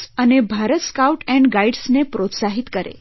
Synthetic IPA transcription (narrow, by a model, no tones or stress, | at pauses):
ənebʱaɾət̪skawʈɛ̃ɳɖɡaiɖsnepɾot̪saɦit̪kəɾḛ